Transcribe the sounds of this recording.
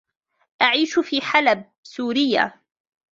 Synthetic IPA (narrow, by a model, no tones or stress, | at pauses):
ʔaʕiːʃfiːħalab̚suːɾɪjːa̰